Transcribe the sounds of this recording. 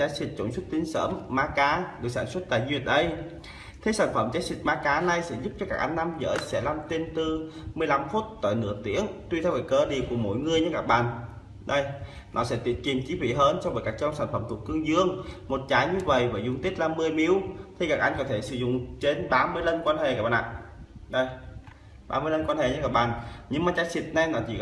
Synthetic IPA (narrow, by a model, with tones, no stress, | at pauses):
t͡ɕaː˨˦jsi˨˩t̚t͡ɕo̰˧˩nswu˦˥t̚t̪ï˧˦ŋ̟sə̰ː˧˥mːaː˧kaː˨˦ɨ˨˩saː˧˩nswə˦˥t̚ɗ̪a̰ː˧˨jzwi˧˩ət̚ʔə˨˧˦j | t̪ʰe˨˦saː˧˩nfə˧˩mt͡ɕaː˨˦jsï˨˩t̚maː˧kaː˨˦na˧jsɛ̰˧˥zu˦˥p̚t͡ɕɔ˧kaː˦˥k̚ʔa˧jŋ̟ːa˧mzə̰ː˧˥jsɛ̰˧˥laː˧mt̪i˧nt̪ɨ˧mɨ˧əjla˧mfu˦˥t̚t̪o̰˧˨jnɨ̰˧˥ət̪ḭ˧˥ənt̪wi˧t̪ʰɛ˧wvəː˨˩kəː˧˩ɗi˨əku˧˩əmo̰˧˥jŋɨ˧əjɲɨ˧˦kaː˨˩k̚ɓa̰ː˧˨n | ɗə˧˩j | nʔɔ̰˨˦sɛ̰˧˥t̪i˧˩ət̚t͡ɕi˨˩ənt͡ɕi˨˦fwḭ˧˩ɦəː˧nsɔ˧wvəː˨˦jkaː˧˩k̚t͡ɕɔ˧wŋ͡msaː˧˩nfə˧˩mt̪ʰu˨˩ət̚kːɨ˧əŋzɨ˧əŋmo˨˩t̚t͡ɕaː˨˦jɲɨ˧və̰˧˨jvaː˨˩zʊ˨˧˩ŋ͡mt̪i˦˥t̚laː˨˩mɨ˧əjmi˧˦əwt̪ʰi˧kaː˨˩k̚ʔa˧jŋ̟kɔ˨˦t̪ʰe˧˩sɨ̰˧˩zʊ̰˧˨ŋ͡mt͡ɕe˧nɓaː˧˦mɨ˧əjlə˧nkwaː˧nhe˨˩kaː˨˩ɓaː˨˩ʔa̰ː˧˨ɗə˧˩j | ɓaː˧mɨ˧ələ˧nkwa˧nhe˨˩ɲɨ̰˧˦kaː˧˩k̚ɓaː˨nɲɨ˧ŋmaː˨˩t͡ɕaː˨˦˥si˨˩ət̚na˧jnɔ˨˦t͡ɕi˧˩